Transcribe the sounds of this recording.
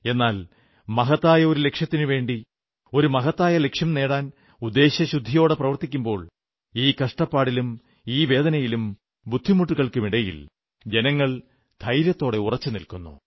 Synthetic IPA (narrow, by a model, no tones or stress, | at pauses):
e̞nːaːl | mɐɦɐt̪ːaːjɐo̞ɾule̞kʂjɐt̪ːinɨʋe̞ːɳɖi | o̞ɾumɐɦɐt̪ːaːjɐle̞kʂjɐmne̞ːɽaːn | ud̪ːe̞ːɕɐɕud̪ʱːijo̞ːɽeprɐʋɐrt̪ikʲːumbo̞ːɭ | iːkɐʂʈɐpːaːɽilum | iːʋe̞ːd̪ɐnɐjilum | bud̪ʱːimuʈːuɣɐɭkɨmiɽɐjḭl | d͡ʑe̞nɐŋːɐɭ | d̪ʱɐjɾjɐt̪ːo̞ːɽe̞urɐt͡ɕːɨnilkunːṵ